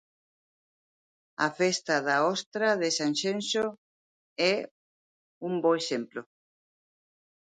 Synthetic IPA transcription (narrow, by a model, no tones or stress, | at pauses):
a̰fest̪aðaɔst̪ɾaðesanʃenso | ɛ | umbɔesemplo